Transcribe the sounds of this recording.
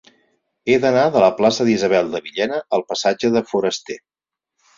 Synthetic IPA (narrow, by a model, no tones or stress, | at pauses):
eðənaðələplasəðizəβ̞ɛlˠd̪əβiʎɛnəːlˠpəsad͡ʒəðəfuɾəst̪e